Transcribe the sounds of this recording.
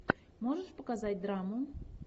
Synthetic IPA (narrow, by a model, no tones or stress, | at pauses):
moʐəʂpəkazat̚ʲd̪ɾamʊ